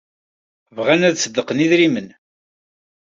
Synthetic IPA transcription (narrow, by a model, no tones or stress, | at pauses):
vʁænæðsəd̪ːəqəniðɾimən